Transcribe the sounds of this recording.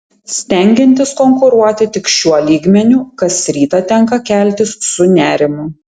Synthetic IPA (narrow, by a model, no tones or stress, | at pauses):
sʲt̪ʲɛŋʲɡʲɪnʲt̪ʲɪskɔŋkʊɾuɔt̪ʲɪt̪ʲɪkʃʲuɔlʲiːɡmʲɛnʲuːkɐsɾʲiːt̪ɐt̪ʲɛŋˑkɐkʲæˑlʲt̪ʲɪsːʊnʲæːɾʲɪmʊ